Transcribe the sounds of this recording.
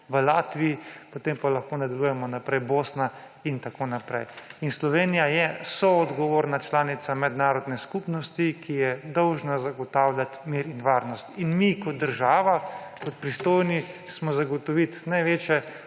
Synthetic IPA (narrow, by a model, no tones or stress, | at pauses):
ʋəlaːt̪ʋiipot̪empalaxkoːnad̪alujɛmɔnapɾɛjboːsna | int̪akonapɾɛ̰jinslɔʋeːnijajɛsɔɔd̪ɡɔʋoːɾnat͡ʃlaːnit̪samɛd̪naːɾɔd̪nɛskupnɔst̪ikʰijɛd̪ɔwʒnazaɡɔt̪aːwlʲjat̪miːɾinʋaːɾnɔst̪inmikɔd̪̚d̪əɾʒaːʋakɔt̪̚pɾist̪oːjnismɔzaɡɔt̪ɔʋit̪najʋeːt͡ʃjɛ